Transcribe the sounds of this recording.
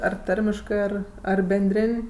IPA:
ˈɐr ˈtɐrʲmʲɪʃkɜ ˈɐr ɐr bʲɛnʲˈdʲrʲeːnʲ

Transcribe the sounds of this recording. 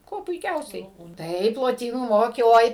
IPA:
ˈkuɔ pʊɪˈkʲɛʊsʲɛɪ ˈtɐɪp lˠoːˈtʲiːnuː ˈmoːkʲeː oːɪ

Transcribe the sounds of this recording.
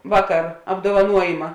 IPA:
ˈʋɑːˌkɐr ɐbdoːʋɐˈnuɔjɪmɐ

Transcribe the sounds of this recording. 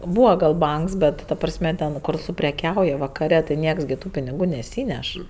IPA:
ˈbuːʋɐ ɡɐlˠ ˈbɐŋks ˈbʲɛt tɐ ˈprɑːsʲmʲɛ ˈtʲɛn kʊr sʊpʲrʲɛˈkʲɛʊjɛ ʋɐkɐˈrʲɛ tɐɪ ˈnʲiɛks ɡʲɪ ˈtuː pʲɪnʲɪˈɡuː nʲɛˈsʲiːnʲɛʃ

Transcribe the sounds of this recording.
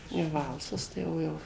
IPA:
jɛʊ ˈʋɐlˠsɐs tɐɪ ˈjɛʊ ˈjɛʊ

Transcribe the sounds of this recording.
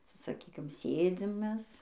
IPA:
sɐ sɐˈkʲiːkʲɪm ˈsʲeːd͡zʲɪm ˈmʲɛs

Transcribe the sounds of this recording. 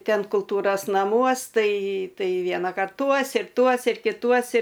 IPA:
ˈtʲɛn kʊlˠˈtuːroːs nɐˈmuɔs ˈtɐɪ ˈtɐɪ ˈʋʲiɛnɐkɐrt ˈtuɔs ɪr ˈtuɔs ɪr kʲɪˈtuɔs ɪ

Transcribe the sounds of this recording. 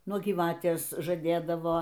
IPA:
ˈnuɔ ɡʲiːˈʋɑːtʲeːs ʒɐˈdʲeːdɐʋoː

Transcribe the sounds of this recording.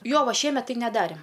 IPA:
ˈjoː ˈʋɐ ˈʃʲiɛmʲɛt tɐɪ nʲɛˈdɑːrʲeːm

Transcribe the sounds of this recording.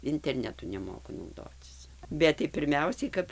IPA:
ɪnʲtʲɛrʲˈnʲæːtʊ nʲɛˈmoːkʊ nɐʊˈdoːt͡sʲɪs ˈbʲɛt tɐɪ pʲɪrʲˈmʲɛʊsʲɛɪ kɐp

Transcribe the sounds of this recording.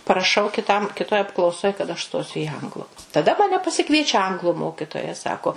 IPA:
pɐrɐˈʃɐʊ kʲɪˈtɐm kʲɪˈtoːj ɐpklˠɐʊˈsoːj kɐt ɐʃ ˈstoːsʲʊ iː ˈɐŋɡlˠʊ tɐˈdɐ mɐˈnʲɛ pɐsʲɪˈkʋʲiɛt͡ʃʲɛ ˈɐŋɡlˠʊ ˈmoːkʲɪtoːjɛ ˈsɑːkoː

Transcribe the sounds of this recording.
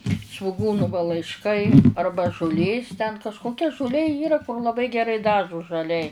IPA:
sʋʊˈɡuːnʊ ʋɐ lˠɐɪʃˈkɐɪ ˈɐrbɐ ʒʊˈlʲeːs tʲɛn kɐʃkoːˈkʲɛ ʒʊˈlʲeː ˈiːrɐ lˠɐˈbɐɪ ɡʲɛˈrɐɪ ˈdɑːʒʊ ʒɐˈlʲɛɪ

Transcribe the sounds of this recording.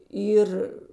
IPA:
ˈiːr

